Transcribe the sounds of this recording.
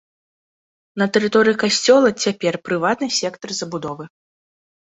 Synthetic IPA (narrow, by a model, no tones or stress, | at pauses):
nɐt̪ɛɾɨt̪ɔɾɨjikasʲt͡sʲɔlˠɐt͡sʲapʲɛrpɾɨvat̪nɨsʲɛkt̪ɐrzɐbud̪ɔvɨ